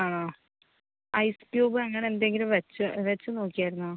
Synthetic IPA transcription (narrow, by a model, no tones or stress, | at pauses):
aːɳoː | ɐjspijoːbɨɐŋːɐɳeend̪e̞ŋɡilumʋet͡ɕːɨʋet͡ɕːɨno̞ːkːijaːjiɾunːu